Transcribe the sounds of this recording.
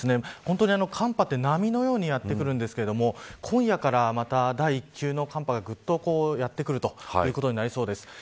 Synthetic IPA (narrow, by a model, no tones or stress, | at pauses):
sɨne̞hont̪o̞ɲiano̞kʰãmpat̪ːe̞namʲino̞jo̞ːɲ̟ijat̪ːe̞kɯ̟ɾɯ̟̃nd̪e̞sɨ̥ke̞ɾe̞d̪o̞mo̞kʰõ̞ɰ̃jakaɾamat̪ad̪aiːkʲːɨːno̞kãmpaɡaɡɯ̟t̪ːo̞ko̞ːjat̪ːe̞kɯ̟ɾɯ̟t̪o̞jjɯ̟ːko̞t̪o̞ɲ̟inaɾʲiso̞ːd̪e̞sɨ̥